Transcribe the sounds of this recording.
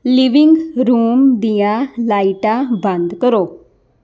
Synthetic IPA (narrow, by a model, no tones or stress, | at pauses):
liʋɪŋɡɾuːmd̪ijãːlaːiʈãːbənd̪kəɾoː